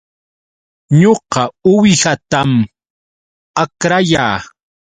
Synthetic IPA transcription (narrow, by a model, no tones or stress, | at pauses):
ɲoqɑʊwɪhat̪am | akɾajaː